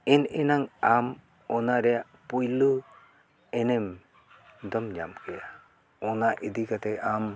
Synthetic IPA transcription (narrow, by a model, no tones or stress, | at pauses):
ɛnɛnaŋam | ɔnaɾɛjaʔpujlu | ɛnɛm | d̪ɔmd͡ʒamkɛja | ɔnaʔid̪ikat̪ɛam